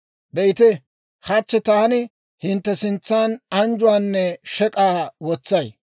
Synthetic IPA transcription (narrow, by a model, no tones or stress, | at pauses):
bɛjɪt̪ɪ | hɐt͡ʃːɛt̪aːnɪ | hɪnt̪ːɛsɪnt͡sːaːnɐnd͡ʒʊwaːnːɛʃɛkʼaːwɔt͡sːɐj